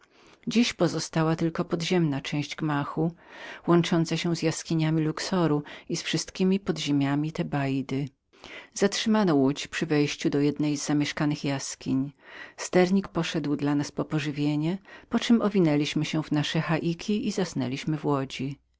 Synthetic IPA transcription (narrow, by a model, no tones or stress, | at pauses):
d͡ʑiɕpɔzɔst̪awat̪ɘlkɔpɔd̪ʑɛmnat͡ʂɛ̃w̃ʑd͡ʑɡmaxuwɔnt͡ʂɔnt̪saɕɛzjaskʲiɲamʲiluksɔɾuisfʂɘst̪kʲimʲipɔd̪ʑemʲjamʲit̪ɛbajd̪ɘ | z̥atʂɘmanɔwut͡ɕpʂɘvɛjɕt͡ɕud̪ɔjɛd̪nɛjzːamʲjɛʂkanɘxjaskʲiɲst̪ɛɾɲikpɔʂɛd̪wd̪lanaspɔpɔʐɘvʲjeɲɛpɔt͡ʂɘmɔvʲinɛlʲiɕmɘɕɛvnaʂɛxaʔikʲʰiizasnɛ̰lʲiɕmɘvwɔd͡ʑi